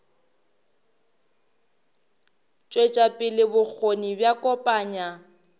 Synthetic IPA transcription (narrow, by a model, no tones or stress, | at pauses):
t͡ʃʼwet͡ʃʼapʼɪlɪbʊk͡xʰonibjakʼɔpʼaːɲa